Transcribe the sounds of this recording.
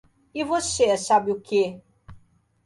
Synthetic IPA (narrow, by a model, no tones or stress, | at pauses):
ɪvosesabɪʊke